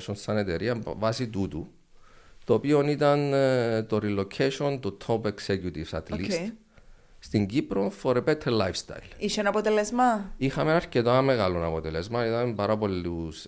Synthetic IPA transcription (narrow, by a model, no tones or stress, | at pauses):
sonsɐne̞t̪eɾiɐmvɐsit̪ut̪u | t̪oːpionit̪ɐnt̪oɾilocʰeʃo̞nt̪ut̪ʰopeksecjut̪ivsat̪list | st̪iŋɟipɾofoɾepet̪ʰːelajfst̪a̰jliʃenɐpot̪elezmɐixɐmenɐɾcet̪ɐmeɣɐlonɐpot̪elezmɐiðɐmmpɐɾɐpo̞lːus